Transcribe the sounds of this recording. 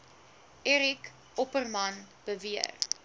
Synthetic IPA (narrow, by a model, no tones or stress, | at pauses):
ʔɛɾik | ɔpərmɐn | b̥əviə̰r